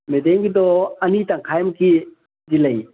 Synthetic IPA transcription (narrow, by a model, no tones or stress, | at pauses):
medeŋɡid̪ɔɐnitaŋkʰajmki | diləj